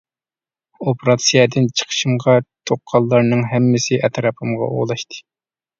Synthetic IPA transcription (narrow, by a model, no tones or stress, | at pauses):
opʰɾɑt̪sijɛd̪ɪnt͡ʃʰə̥qʰə̥ʃɨmʁɑt̪ʰoqʰːɑlˠːɑɾnɨŋɦɛmːɪsɪʔɛt̪ɾɑpʰɨmʁɑ̰ʔo̰ʁlˠɑʃt̪ʰɨ̥